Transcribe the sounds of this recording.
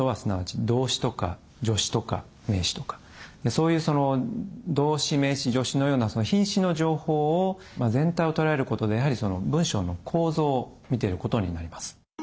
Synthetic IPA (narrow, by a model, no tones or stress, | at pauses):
oβasɨnaβat͡ɕid̪o̞ːɕi̥t̪o̞ka̰ | d͡ʑo̞ɕi̥t̪o̞ka̰ | me̞ːɕi̥t̪o̞̥kḁ | d̪e̞so̞ːjɯ̟ːso̞no̞d̪o̞ːɕime̞ːɕiʑo̞ɕino̞joːnaso̞no̞çĩɰ̃ɕino̞ʑo̞ːho̞ː | mazẽ̞nt̪aio̞t̪o̞ɾae̞ɾɯ̟ko̞t̪o̞d̪e̞jaɦaɾʲiso̞no̞bɯ̟̃ɰ̃ɕo̞̰ːno̞kʰo̞ːzo̞ːmʲit̪e̞ɾɯ̟ko̞t̪o̞ɲ̟inaɾʲimasɨ̥